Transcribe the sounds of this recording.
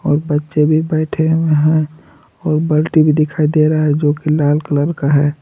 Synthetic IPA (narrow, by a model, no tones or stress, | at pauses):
ɔːɾbətːʃebʱibɛɪʈʰemeɦɛ̃ | ɔːɾbəlʈibʱid̪ɪkʰaːid̪eɾaaɦɛd͡ʒoːkilaːlkələɾkaɦɛː